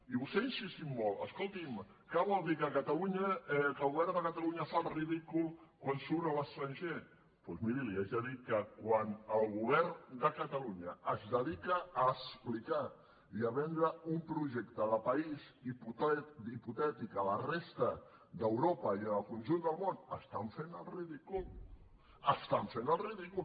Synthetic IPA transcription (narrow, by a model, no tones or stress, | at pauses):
iβust̪einsist̪immːolˠə̰skolˠt̪im | kəβɔlˠd̪ikəkət̪aluɲəɛkəlˠɣuβɛɾðəkət̪aluɲəfalˠriðikulˠkwansuɾnələst̪ɾənʲʒe | pɔzmiɾiliaʒəðit̪̚kəkwanəlˠɣuβɛɾnd̪əkət̪ɐluɲəːzd̪əðikəːsplika | iəβɛnd̪ɾəumpɾuʒekt̪əðəpəiziput̪iput̪ɛt̪ikələrest̪ə | d̪əwɾopəiənəlˠkunʲʒund̪əlˠmonəst̪aɱfenəlˠriðikul | əst̪aɱfenəlˠriðikul